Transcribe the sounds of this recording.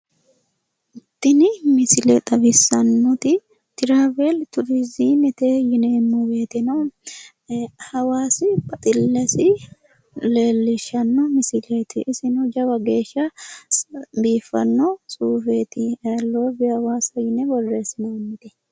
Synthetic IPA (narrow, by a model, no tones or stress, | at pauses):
ʔɪt̪ːɪnɪmɪsɪlɛt̪ʼɐbɪsːɐnːʊt̪ɪ | t̪ɪɾaːveːlt̪ʊɾɪziːmɪt̪ejɪnemːuɡeːt̪ɛnɐw | hɐwaːsɪbɐt̪ʼɪlːɐsɪ | le̞ːlːɪʃɐnːɔmɪsɪlet̪ɪʔɪsɪnʊd͡ʒɐwɐɡe̞ːʃːɐ | biːfːɐ̰nːɔsʼuːfeːt̪ɪlːoːbɪhɐwaːsɐjɪnɛbɔrːeːsɪnɐmːɪt̪ɛ